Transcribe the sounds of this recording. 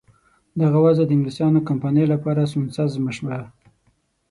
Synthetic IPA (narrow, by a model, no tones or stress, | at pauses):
d̪aɣawazad̪əɪŋɡlisɑnokampɑnəjlapɑɾasunsazməʃba